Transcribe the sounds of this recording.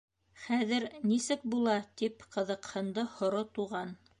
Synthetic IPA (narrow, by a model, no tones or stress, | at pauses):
χæðɘɾnisɘk̚bulˠɑt̪ipqɤ̆ðɤ̆qhɤ̆nd̪ɤhŏɾot̪uʁɑn